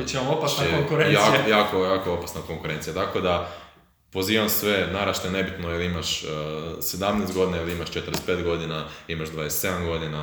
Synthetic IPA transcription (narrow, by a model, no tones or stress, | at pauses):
it͡ʃimamopasnaoŋkuɾenjakijajaːkojaːkoo̞pasnako̞ŋkuɾent̪sijat̪ako̞d̪a | po̞ziːʋamsʋe̞naɾaʃt̪ane̞bit̪noiliimaʃ | sed̪amnest̪ɡo̞d̪inailiimaʃt͡ʃet̪əɾespe̞t̪ɡo̞d̪inaimaʒd̪ʋad̪est̪se̞d̪amɡo̞d̪ina